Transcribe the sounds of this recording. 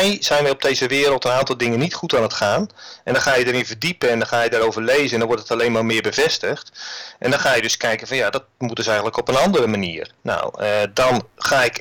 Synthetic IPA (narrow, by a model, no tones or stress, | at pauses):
ɛjz̥ɛjnʋɛjɔb̚dejzəʋɪːɾəlˠtənaːntɔlˠdɪŋənitχutaːnətχaːnʔɛndɔnxaːjədəɾɪnvərdipənɛndɔnxaːjədaːɾowvərlejzəndɔnʋɔrtətalejnmaːmɪːəɹbəvɛstəxtʔɛ̰ndɔnxaːjədɵskɛjkənvɑnjadɔt̚mutdɵsɛjɣən̩tləkɔpənɑndəɾəmanḭːrna̰wədɑnχaːɪk